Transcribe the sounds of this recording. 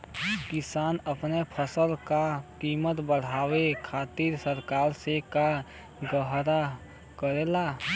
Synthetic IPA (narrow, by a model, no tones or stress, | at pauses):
kɪsaːnəpnepʰəsəlkakiːmət̪bəɽ̤aːwekʰaːt̪iːɾsəɾkaːɾseka | ɡəɦɾa | kəɾeːlaː